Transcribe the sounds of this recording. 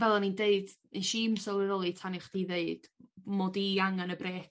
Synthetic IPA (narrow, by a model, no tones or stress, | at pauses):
vɛlˠanindeɨd̥ | ənʃiːmsɔlˠəɾɔlˠitʰanɪχd̥iːðeɨd̥moːdiaŋanəbreːk